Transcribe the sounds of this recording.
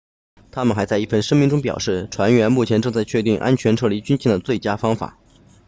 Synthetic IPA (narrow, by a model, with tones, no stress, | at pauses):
t̪ʰa˥mə˨nxa˧˥ɪt͡sa˥ɪi˥˩fə˥˩nʂə˥ŋmi˥˧ŋʈ͡ʂʊ˥ŋp̬jɑ̰˨˩ʊʂɻ̩˥˩ʈ͡ʂʰwa˧˥nɥɛ˧˥nmu˥˩t͡ɕʰjɛ˧˥nʈ͡ʂɤ˥˧ŋt͡sa˥˧ɪt͡ɕʰɥɛ˥˧t̪i˥˩ŋʔa̰˥nt͡ɕʰɥɛ˧˥nʈ͡ʂʰɤ˥˩li˧˥t͡ɕy˥nɕi˥˩d̪ə˩t͡swe˥˩ɪt͡ɕja˥fɑ˥ŋfa̰˨˩˦